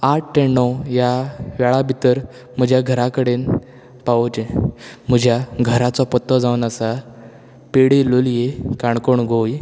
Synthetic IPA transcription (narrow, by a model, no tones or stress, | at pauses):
aʈ̚ʈenːɔjaʋɛɭabʱit̪əɾ | m̤əd͡ʑʱjaɡʱəɾakəɽen | paʋot͡ɕem̤əd͡ʑʱjaɡʱəɾat͡sɔpɔt̪ːɔd͡zaʋənəsa | peɽeloljekaɳkoɳɡʱoj